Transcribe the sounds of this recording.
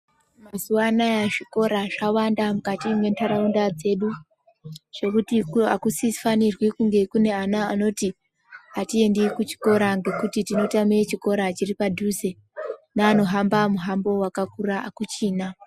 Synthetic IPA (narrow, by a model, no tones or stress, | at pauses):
mazuwanajaʐiko̞ɾaʐawandamukatimwe̞ntʰaɾaundad͡ze̞ɗu | ʐ̥e̞kutikuakusifanirwikuŋɡe̞kune̞anaːno̞ti | atie̞ndikut͡ʃi̥ko̞ɾaŋɡe̞kutitino̞tamet͡ʃiko̞ɾat͡ʃiripadʱuze̞ | naːno̞ɦambamuɦambo̞wakakuraakut͡ʃiːna